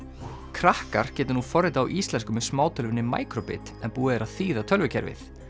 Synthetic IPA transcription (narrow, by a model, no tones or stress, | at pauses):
kʰɾahka̰ɾ̥cɛːt̪ɪnufɔrɪt̪a̰ːwʔist̪lɛnskʏmɛðsmaːwt̪ʰœlvɪnːɪma̰ːjkɾɔpɪ̰t̪ɛnpuːɪðɛɾaðθiːðat̪ʰœlvɪcʰɛ̰ɾvɪ̰θ